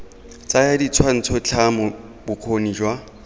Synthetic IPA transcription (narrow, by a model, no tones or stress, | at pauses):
t͡sʼajadit͡sʰwan̩t͡sʰɔt͡ɬʰamʊ | bʊq͡χʰonid͡ʒwa